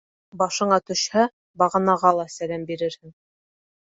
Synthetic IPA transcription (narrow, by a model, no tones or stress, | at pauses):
bɑʃɤ̆ɴɑt̪ɵ̆ʃhæ | bɑʁɤ̆nɑʁɑlˠɑsælæmbiɾɘɾhɘŋ